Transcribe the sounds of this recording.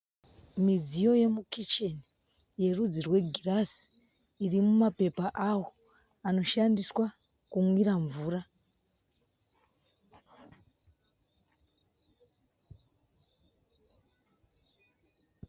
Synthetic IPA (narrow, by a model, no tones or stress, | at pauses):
mid͡zijo̞je̞mukit͡ʃeni | je̞rud͡zirwe̞ɡʱirasi̥ | irimumape̞paʔawo̞ | ano̞ʃandiswa | kumwiɾaɱvuːra